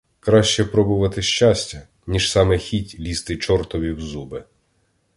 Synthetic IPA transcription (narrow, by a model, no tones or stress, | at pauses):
kɾɑʃt͡ʃɛpɾɔbʊʋɐt̪ɪʃʲt͡ʃɑsʲtʲɐ | nʲiʒsɑmɛxʲitʲlʲist̪ɪt͡ʃɔrt̪ɔʋʲiwzubɪ